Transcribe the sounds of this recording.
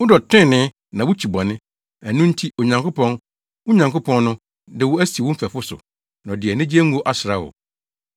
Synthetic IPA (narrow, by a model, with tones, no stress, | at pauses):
wʊ˦dɔ˨tʰɪ̃˦˨nɪ̃˦ | nã˨wʊ˦t͡ɕʰi˨bɔ̃˨nɪ̃˦ | æ˨nʊ̃˦n̩˦tʰi˦o˨ɲã˨ŋkʰʊ˦pʰɔ̃˦n | wʊ˦ɲã˨ŋkʊ˦pʰɔ̃˦n˦nʊ̃˦ | dɪ˨wʊ˦æ˦si˨wʊ̃˦m̩˦fæ˨fʊ˦sʊ̰˨ | nã˨dɪ˨ɛ˨nɪ̃˦d͡ʑi˦ɛ˦ŋ̩˦u˦o˦ʔa˦sɾa˦wʊ̰˨